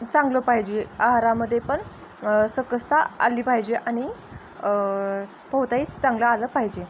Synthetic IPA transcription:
t͡sãŋɡləpaɦid͡ʑeaɦaɾaməd̪ʱːjepəɳ | səkəst̪aa̰lːiːpaɦd͡ʑeʔañi | pəwt̪ait͡st͡sãŋɡlaːləːpaɦid͡ʑe

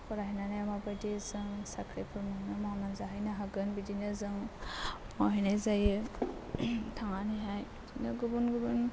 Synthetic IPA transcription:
pʰɯɾaɦinanajamabajdizɯŋsakʰɾepʰɯɾmanɯmawnanzaɦajnaɦaɡɯnbidinɯzɯŋ | mawɦenajzajɯ | tʰaŋaniɦaj | dinɯɡubunɡubun

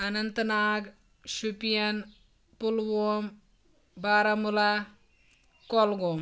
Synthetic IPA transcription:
ɐnɐnt̪ɐnaːɡ | ʃupijɐn | pulʋom | baːɾɐmula | kɔlɡoːm

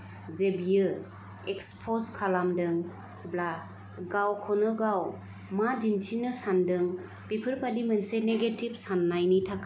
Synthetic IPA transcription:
zebijɯ | ekspʰoskʰalamdɯŋ | bla | ɡawkʰɔnɯɡaw | madintʰinɯsandɯŋ | pipʰɯɾpʰadimɯnseneɡetib̚sanːajnitʰak

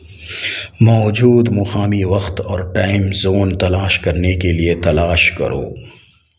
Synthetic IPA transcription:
mɔːd͡ʒuːd̪mʊxaːmiʋɐxt̪ɔːɾʈaːɪmzoːnt̪ɐlaːʃkɐɾnekeliet̪ɐlaːʃkɐ̰ɾo̰ː

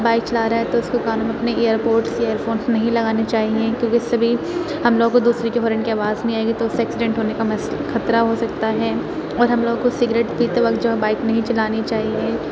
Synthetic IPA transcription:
baːɪk̚t͡ʃɐlaːɾaaɛt̪oʊskokaːnũːmɐpneeːəɾpoːɾʈseːəɾfoːnsnɐɦĩlɐɡaːnet͡ʃaːɦiẽkjõːkisɐbʱi | hɐmloːɡõkod̪uːsɾikeɦɔːɾə̃ɳɖkeaːʋaːzbĩaːeɡit̪oʊseɛːksɪɖɛ̃ɳʈɦoːnekamɐsxɐt̪ɾaɦosɐk̚t̪aɦɛː | ɔːɾɦɐmloːɡõkosɪɡɾeːʈpiːt̪eʋɐk̚t̪̚d͡ʒoːɦɛbaːɪknɐɦĩt͡ʃɐlaːnit͡ʃaːɦieː

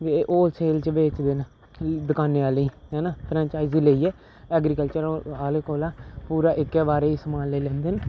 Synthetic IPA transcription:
ʋeʔoːlseːlt͡ʃʋeːt͡ʃd̪eːn | d̪əkaːneːaːlĩːɦɛːnaːpʰɾɛ̃ːɲt͡ʃaːɪziːləiːɛː | ɛːɡɾiːkəlt͡ʃəɾaːleːkoːlaːpuːɾaːʔɪkːɛːbaːɾeːɪsəmaːnleiːlɛ̃ːnd̪eːn

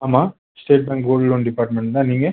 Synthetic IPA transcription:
aːmaː | sʈeːʈ̚bɛ̃ːŋkɡoːɖloɳɖɪpaːɾʈmɛ̃ɳʈnãːniːŋɡɐ

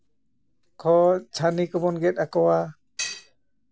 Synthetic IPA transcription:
kʰɔt͡ʃʰanikɔbɔnɡɛt̚akɔwa

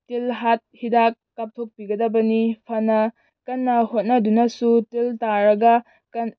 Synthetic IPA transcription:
tilɦat̚hidakːap̚tʰok̚piɡɐdɐbɐnipʰɐnɐ | kɐnːɐhot̚nɐdunɐsutiltaɾɐɡɐ | kɐn

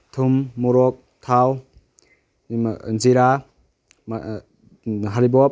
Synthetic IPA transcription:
tʰumːuɾɔk̚ | tʰaw | ziɾa | ɦaɾibɔp̚

